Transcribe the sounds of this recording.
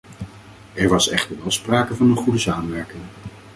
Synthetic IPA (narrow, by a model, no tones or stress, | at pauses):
ɛɹʋɑsɛχtəɹʋɛlˠspraːkəvɑnənχudəsaːmənʋɛɹkɪŋ